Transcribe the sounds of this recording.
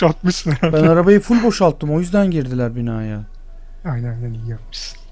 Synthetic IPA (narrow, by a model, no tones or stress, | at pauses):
alˠt̪mɯʃsɯnbænaɾabajɯfulʲbo̞ʃalˠt̪ʰːɯmo̞jyzd̪ænɟiɾd̪ilʲæɾbinaːja | ajnænajnænijijapmɯ̥ʃsɯ̥